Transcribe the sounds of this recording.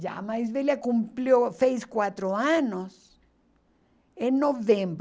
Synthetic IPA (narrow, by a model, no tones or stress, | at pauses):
d͡ʒa̰maizβeljakumpljosejskwat̪ɾoaɲos | enːoβẽmb